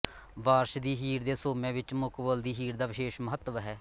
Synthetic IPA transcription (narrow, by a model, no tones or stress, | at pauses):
baːɾʃd̪iːɦiːɾd̪eːsoːmɛ̃ːʋɪt͡ʃmʊkʋəld̪iːɦiːɾd̪aːʋɪʃeːʃməɦət̪ːʋɦɛː